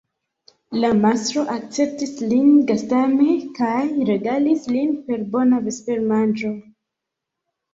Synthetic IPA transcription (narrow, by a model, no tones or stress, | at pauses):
lamastɾo̞ʔak̚t͡se̞p̚tislinɡastame̞kajɾe̞ɡalislinpe̞ɾbo̞nave̞spe̞ɾmand͡ʒo̞